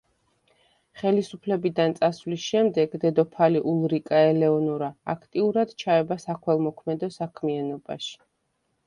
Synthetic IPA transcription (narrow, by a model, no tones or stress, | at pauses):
χɛlisupʰlɛbid̪ant̪sʼasvlisʃɛmd̪ɛɡd̪ɛd̪ɔpʰaliʔulˠɾikʼaɛlɛɔnuɾaːkʰt̪ʼiuɾad̪t͡ʃʰaɛbasakʰwɛlˠmɔkʰmɛd̪ɔsakʰmianɔba̰ʃi̥